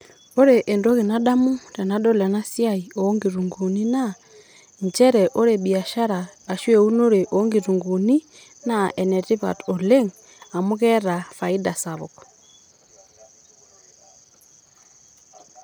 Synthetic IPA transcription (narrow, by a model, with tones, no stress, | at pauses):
o˦ɾe˨ʔe˨ndɔ˦ɣe˨na˦ɗa˦mu˦ta˨na˦ɗɔ˦la˨na˦sja˦iɔː˦ŋɡi˨ɾu˨ŋɡu˨ni˦na | ɲt͡ʃɛ˦ɾɛʔo˦ɾe˨ɓi˨a˨ʃa˦ɾaː˨ʃwɛ˨u˦no˦ɾe˨ʔɔː˦ŋɡi˨ɾu˨ŋɡu˨ni˦ | na˦ʔɛ˨nɛti˦βa̰˨to˨le˦ŋ | a˨mu˦ɣɛ˦ɾa˨fa˨i˦da˨saβɔ˨kɔ